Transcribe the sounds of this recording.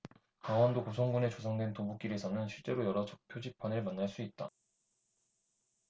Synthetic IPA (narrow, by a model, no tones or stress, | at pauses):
kaŋwʌndokosʰʌŋɡune̞t͡ɕosʰʌŋdwe̞ntobuk͈iɾe̞sʰʌnɯnɕʰiɭt͡ɕ͈e̞ɾojʌɾʌt͡ɕʰʌk̚pʰjod͡ʑip͈ʰːʌnɯɭmanːaɭs͈uit̚t͈a